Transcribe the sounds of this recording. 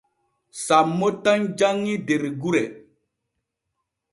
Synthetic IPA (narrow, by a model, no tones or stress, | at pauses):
samːotaŋd͡ʒaŋːideɾeɡuɾe